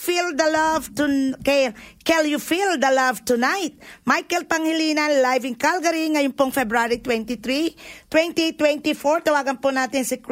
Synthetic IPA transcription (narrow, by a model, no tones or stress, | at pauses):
fild̪ɐlavt̪ukɛkɛljufild̪ɐlɐvt̪ʊnajt̪̚majkɛlpɐŋhɪlinanlajvɪŋkalɡɐɾiŋɐjʊmpʊŋfɛbɾaɾit̪wɛnt̪it̪ɾit̪wɛ̃nt̪it̪wɛ̃nt̪ifoɹt̪ɐwaːɡɐnponaːt̪ɪŋsɪk